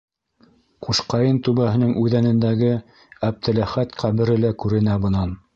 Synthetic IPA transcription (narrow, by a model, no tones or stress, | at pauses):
quʃqɑjɤnt̪ʉβæhɘ̆nɘŋʔʉðænɘ̆nd̪æɡɘ | æb̚t̪ʰɘ̆læχæt̪qʰæβɘ̆ɾɘ̆lækʉɾɘ̆næbɤ̆nɑn